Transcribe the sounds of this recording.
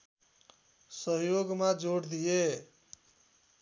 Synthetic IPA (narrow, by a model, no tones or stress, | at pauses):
sʌɦjoɡmad͡ʒoɽd̪ije